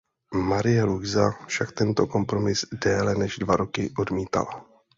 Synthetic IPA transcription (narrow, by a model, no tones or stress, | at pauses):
maɾɪjɛluɡzafʃakt̪ɛnt̪o̞ko̞mpɾo̞mɪzdɛːlɛnɛʒdvaɾo̞kɪʔo̞dmiːt̪a̰la̰